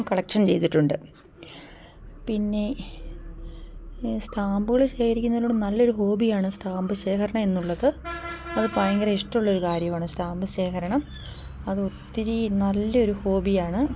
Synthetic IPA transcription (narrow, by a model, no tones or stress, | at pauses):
mkɐɭɐkʂɐnt͡ɕe̞jt̪iʈːuɳɖɨ | pinːe̞ | st̪ʰaːmbɨɣɐɭɕeːkɐɾikʲːunːɐðuɽnɐlːo̞ɾuɦo̞ːbijaːɳɨst̪ʰaːmbɨɕe̞ːkɐɾɐɳɐme̞nːuɭːɐðɨɐðɨpɐjɐŋɡɐɾɐiʂʈɐmuɭːɐo̞ɾukaːɾjɐmaːɳɨstʰaːmbɨɕe̞ːkɐɾɐɳɐm | ɐðɨo̞t̪ːiɾinɐlːɐo̞ɾuho̞ːbijaːɳɨ